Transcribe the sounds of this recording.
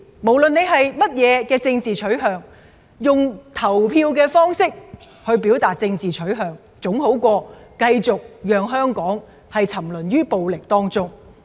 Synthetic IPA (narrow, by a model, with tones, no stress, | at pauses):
mo˨˩wlɵ˨ne˨˧jɦɐ˨jmɐ˥t̚jɛː˨˧kɛː˧t͡sɪ˧ŋt͡siː˨t͡ʃʰɵ˨˥ɥɦœː˨ŋ | jʊ˨ŋt̪ʰɐ˨˩wpʰiː˧wk̬ɛː˧fɔː˥ŋsɪ˥k̚ | hɵ˧ɥpiː˨˥wt̪aː˨t̚t͡sɪ˧ŋt͡siː˨t͡sʰɵ˨˥ɥɦœː˨ŋ | t͡sʊ˨˥ŋho˨˥wkʷɔː˧kɐ˧jt͡sʊ˨k̚jœː˨ŋɦœː˥ŋkɔː˨˥ŋ | hɐ˨jt͡sʰɐ˨˩mlɵ˨˩nɥyː˥po˨wlɪ˨k̚t̪ɔː˥ŋt͡sʊ˥ŋ